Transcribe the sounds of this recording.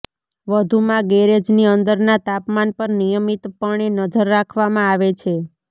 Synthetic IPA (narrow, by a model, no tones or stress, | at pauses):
ʋəd̪ʱumãɡeɾed͡ʒniənd̪əɾnat̪apmanpəɾnijəmit̪pəɳ̃enəd͡ʒəɾːakʰʋamãaʋet͡ʃʰe